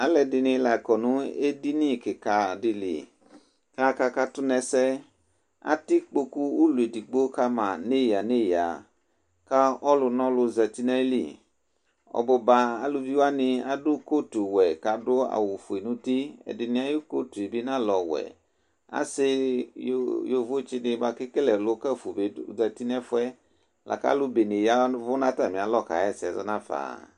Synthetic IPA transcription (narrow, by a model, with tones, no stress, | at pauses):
a˨˦lɛ˧˨dɪ˧nɪ̃˧la˨kɔ˨nũ˦e˦di˦nĩ˦˨ke˨ka˨di˧lḭ˨ | ka˦ka˧ka˧tʊ˦nɛ˧sɛ˦ | a̰˦ti˦k͡po˧ku˦u˦lu˨e˨di˨ɡ͡bo˦ka˧mã˨ne˦˨ja˨ne˦˨ja̰˨ | ka˦ɔ˦lʊ˧nɔ̃˦lʊ˧zɛ˨ti˦nɛ˦lḭ˦˨ | ɔ̰˨bɔ˧ba˧a˦lu˧bi˦wa˦nɪ̃˧a˨dʊ˦ko˦tu˨wɛ˨ka˨dʊ˦a̰˨wu˨fʊ˨e˨nũ˦ti˦ɛ̰˨dɪ˨nɪ̃˦a˦jo˦ko˦tu˨e˨be˦nã˦lɔ˨wɛ̰˨ | a̰˦sɪ˦ | jo˨vʊ˦t͡ʃɪ˦nɪ˨ba˨kɪ˦kɪ˦lɛ˨lʊ˦kɛ˦fu˨be˦zɛ˨ti˦nɛ˦fʊ˦ɛ˦ | lʔa̰˨ka̰˦lʊ˦be˨nɪ˨ja˦vʊ˦nã˦ta˨mɪ̃˨a˨lɔ˦˨ka̰˨ɛ˦sɪ˨ɛ˨zɔ˦nã˦fa̰ː˨